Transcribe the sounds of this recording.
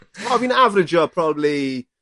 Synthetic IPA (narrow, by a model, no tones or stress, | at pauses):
aɪvbĩnavəɹɪd͡ʒəpʰɹ̥ɒbəbli